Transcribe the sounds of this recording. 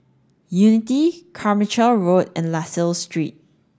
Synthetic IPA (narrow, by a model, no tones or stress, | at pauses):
junɪtikʰamət͡ʃəlɹodɛ̃nlasəlstɹit̚